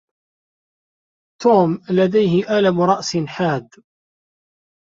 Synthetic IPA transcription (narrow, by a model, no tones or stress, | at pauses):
t̪uːmlad̪ajɦɪʔalamɾˤɑʔsɪnħaːd̪